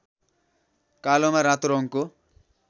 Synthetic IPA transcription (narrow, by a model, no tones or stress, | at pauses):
kalomaɾat̪ɾoŋko